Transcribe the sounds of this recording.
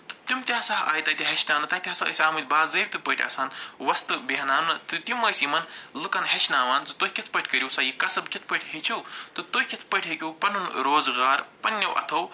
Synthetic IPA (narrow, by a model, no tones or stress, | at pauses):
t̪ɨ̥t̪umt̪ʲaːsaːɦa̰ːjt̪ɐt̪ʲiɦɐʃnaːnɨt̪ɐːt̪ʰʲaːsɐə̰sʲaːmɨt̪̚baːzɐːbʲt̪ɨpɐʈʲɐ̰ːsaːnʋɐst̪ɨbiɦɐnaːmnɨt̪ɨt̪imɐjsimɐnlɨkɐnɦɐt͡ʃnaːʋaːnt͡sɨt̪ohʲkʲit̪ʰpɐʈʲʰkɐɾʲuwsaːjikɐsɐbkʲit̪ʰpɐʈʰʲɦit͡ʃʰɐwt̪ɨt̪ohʲkʲit̪ʰpɐʈʰʲɦikʲuwpɐnunɾoːzɣaːɾpɐnʲːɐwʔɐ̰t̪ʰɐw